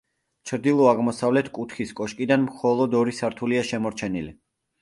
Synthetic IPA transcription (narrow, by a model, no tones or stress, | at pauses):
t͡ʃʰɾd̪ilˠɔaʁmɔsavlɛt̪ʰkʼut̪ʰχiskʼɔʃkʼid̪anmχɔlˠɔd̪ɔɾisaɾt̪ʰuliaʃɛmɔɾt͡ʃʰɛnili